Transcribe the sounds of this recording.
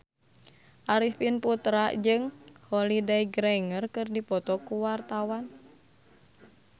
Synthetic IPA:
ʔaɾifinput̪ɾad͡ʒɨŋhɔlidaiɡɾɛŋərkɨrdipɔt̪ɔkuwart̪awan

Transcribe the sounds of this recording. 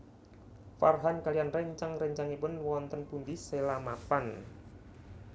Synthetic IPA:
farɦankalianrɛɲt͡ʃaŋrəɲt͡ʃaŋipʊnwɔnt̪ənpund̪iselamapan

